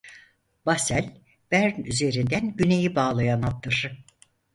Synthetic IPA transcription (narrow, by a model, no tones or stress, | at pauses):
basælʲ | b̥æɾnyze̞ɾind̪ænɟyne̞jibaːlˠajanat̪ːɯɾ̥